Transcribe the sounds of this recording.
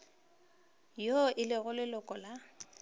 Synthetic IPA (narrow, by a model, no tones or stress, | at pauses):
joʔɪlɪɣʊlɪlʊkʼɔla